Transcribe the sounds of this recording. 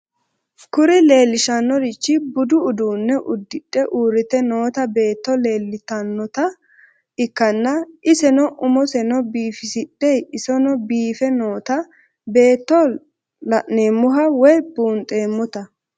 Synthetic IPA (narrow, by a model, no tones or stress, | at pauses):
kʊɾɪle̞ːlːɪʃɐnːɔɾɪt͡ʃːɪbʊd̪ʊːd̪uːnːɛʔʊd̪ːɪᶑːɛʔuːɾɪt̪ɛno̞ːt̪ɐbe̞ːt̪ːɔle̞ːlːɪt̪ɐnːɔt̪ɐ | ɪkːɐnːɐʔɪsɛnɔʔʊmɔsɛnɔbiːfɪsɪɗɛjɪsɔnɔbiːfɛno̞ːt̪ɐ | be̞ːt̪ːɔ | lɐʔneːmːʊɦɐwɔjbuːnt̪ʼe̞ːmːɔt̪ɐ